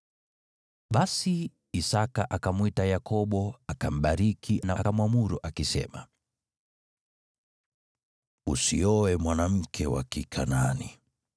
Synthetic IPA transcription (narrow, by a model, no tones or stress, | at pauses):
ɓasiː | sakaʔakamwitajakɔɓɔakam̩ɓaɾikʰinakamwamuɾuʔakisɛ̰ma̰ | usḭɔwɛmwanam̩kʰɛwa̰kikʰananḭ